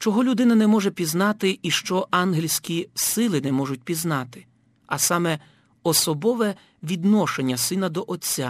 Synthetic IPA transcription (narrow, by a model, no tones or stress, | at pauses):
t͡ʃɔɦɔlʲʊd̪ɪnɐnɛmɔʒɛpʲiznɑt̪ɪiʃt͡ʃɔʔɑnɦɪlʲsʲkʲisɪlˠɪnɛmɔʒʊt̚ʲpʲiznɑt̪ɪ̥ | ɐsɑmɛ | ɔsɔbɔʋɛ | ʋʲid̪nɔʃenʲːɐsɪnɐd̪ɔʔɔt͡sʲːa